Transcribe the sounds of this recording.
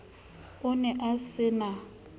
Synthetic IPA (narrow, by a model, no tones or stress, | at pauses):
ʊnɛʔasɪna